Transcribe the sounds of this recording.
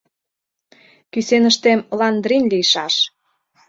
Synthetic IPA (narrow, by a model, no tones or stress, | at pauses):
kysenəʃt̪emlɑnd̪rinlijʃɑʃ